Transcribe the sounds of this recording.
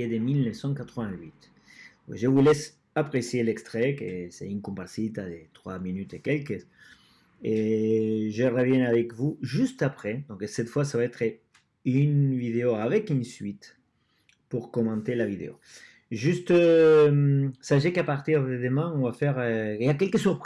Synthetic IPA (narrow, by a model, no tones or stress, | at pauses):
ed̪emilnəfsɑ̃kat̪χəvɛ̃ɥit̪ | ʒəvulɛs | apχesjelɛkst̪χekəsɛ̰iŋkɔ̃pasit̪ad̪et̪χwa̰minyt̪ekɛlkə | e | ʒəʁəvjɛ̃avɛkvuʒyst̪apχɛd̪ɔ̃ŋksɛt̪fwasavaɛt̪χə | ynvid̪eoavɛkynsɥit̪ | puʁkɔmɑ̃nt̪elavid̪ḛo̰ | ʒyst̪əmsaʃ̬ekapaʁt̪iʁd̪əd̪əmɛ̃ɔ̃vafɛʁøiakɛlkəsyʁp